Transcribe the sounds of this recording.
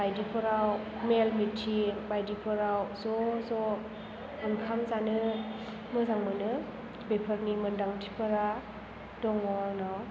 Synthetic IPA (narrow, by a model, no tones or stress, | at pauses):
bajdipʰɯɾaw | melmitʰibajdipʰɯɾawzɔzɔ | ɯnkʰamzanɯ | mɯzaŋmɯnɯ | bepʰəɾnimɯndaŋtʰi̥pʰɯɾa | dɔŋwɔnaw